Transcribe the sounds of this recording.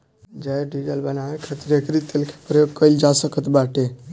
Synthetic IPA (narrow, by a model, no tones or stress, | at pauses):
d͡ʒajɖid͡ʒəlbənaekʰət̪ɾekɾit̪elkʰe̥pɾjoɡ̚kəɪld͡ʒasəkət̪baʈe